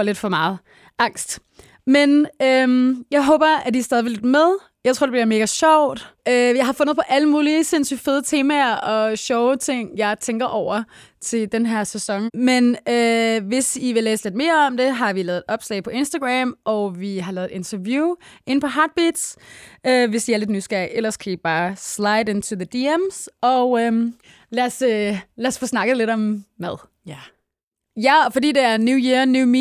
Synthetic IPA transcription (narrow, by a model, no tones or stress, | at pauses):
le̝d̥fɒ̽mɑ̈ːð̞̩ˠ | ʔɑ̈ŋ̰sd̥ | menømjɑ̈ɪɦɔ̽ːb̥ɐæd̥iɐsd̥ɛðˠʋile̝d̥með̞ˠ | jɑɪt͡sʰo̝ɐ̰d̥eb̥liɐme̝ːɡ̥æɕɒʊ̰d̥øjɑ̈ɪhɑ̈fɔ̽n̰ð̩ˠpʰɒ̽ʔæləmuːlise̝n̰sy̰d̥feð̞ˠət͡sʰe̝ːmæɐʔɒ̽ɕɒʊt͡sʰe̝ŋ̰jɑ̈ɪt͡sʰeŋɡ̥ɐʔɒʊ̰ɐ | t͡sʰe̝ld̥enɦæɐ̰sesɒ̽ŋmenøʋe̝siʋe̝leːsəle̝d̥me̝ːɐɒ̽md̥e̝ɦɑ̈ʋilɛ̰ːð̩ˠe̥ɒ̽b̥slɛ̰ɪpʰɒ̽ʔe̝nsd̥ɐɡ̥ʁæmʔɒ̽ʋiɦɑ̈lɛːð̩ˠed̥e̝nt͡sʰɐʋjuːe̝npʰɒ̽ɦɑ̈ːd̥̚b̥id̥søʋe̝sd̥iæɐle̝d̥nysɡ̥æʔelɐskʰæib̥ɑ̈ːslɑ̈ɪɾe̝nt͡sʰuðəd̥iemsɒ̽ø | læɐsølæɐsfɔsnɑ̈ɡ̥əðle̝ɾ̥ɒ̽mmæðˠ | jæfɒ̽d̥ḭːd̥e̝æɐnjujiɐnjumi